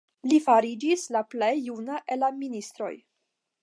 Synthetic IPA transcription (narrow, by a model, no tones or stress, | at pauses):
lifaɾid͡ʒislaplejːunaʔelaminist̪ɾo̞̰j